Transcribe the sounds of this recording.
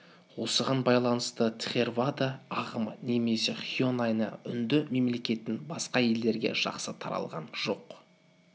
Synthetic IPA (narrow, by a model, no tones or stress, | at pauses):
wo̞səʁɑnbɑjlˠɑnəst̪ət̪ʰχʲe̞rvad̪aːʁəmne̞me̞seχʲionajnɑʏ̰nd̪ɪme̞mle̞kʲe̞t̪ːɪnbɑsqɑje̞ld̪e̞ɾɡʲe̞̰ʒ̥ɑ̰qsət̪ʰɑ̰ɾɑ̰lˠʁɑ̰nʒo̞q